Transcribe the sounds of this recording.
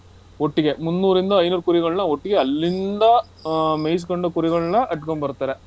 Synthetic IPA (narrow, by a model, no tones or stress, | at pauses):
oʈːiɡe̞munːuːɾind̪ɐɐjnuːɾkuɾiɣɐɭɐnːɐoʈːiɡe̞ɐlːind̪ɐ | mejs̬koɳɖukuːɾiɡɐɭɐnːɐʔɐʈːkoɳbɐɾt̪aːɾe